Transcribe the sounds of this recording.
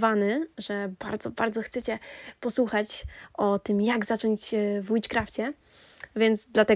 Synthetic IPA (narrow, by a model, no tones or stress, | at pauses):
vanɘʐɛb̥a̰ɾd̪zɔbaɾd̪zɔxt̪sɛt͡ɕɛpɔswuxat͡ɕʔɔt̪ɘmjaɡzat͡ʂɔɲd͡ʑvut͡ʂkɾaft͡ɕɛ | vʲjɛnd̪zd̪lat̪ɛ